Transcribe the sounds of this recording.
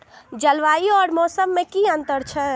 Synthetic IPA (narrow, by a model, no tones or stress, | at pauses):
d͡ʒəlʋaːiɔːɾmɔːsəmːẽkiənt̪əɾt͡ʃʰɛ